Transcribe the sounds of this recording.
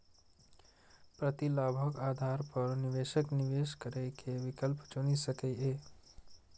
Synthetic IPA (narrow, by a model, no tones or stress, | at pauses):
pɾət̪ilaːbʱəkaːd̪ʱaɾpəɾniʋeːʃəkniʋeʃkəɾekʰeʋikəlpt͡ʃunisəkee